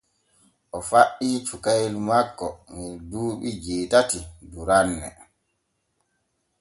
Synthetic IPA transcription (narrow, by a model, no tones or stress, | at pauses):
ʔɔfaʔːiːt͡ʃukajlmakːɔmiduːɓid͡ʒiːtatiduɾanːɛ̰